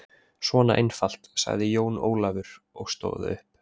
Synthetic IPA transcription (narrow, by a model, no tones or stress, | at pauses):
svɔːnaʔejnfal̥t̪sa̰ɣðɪjoːwno̰ːwlavʏɾ̥ | ɔɣst̪o̰ːwðɪ̰ʏhp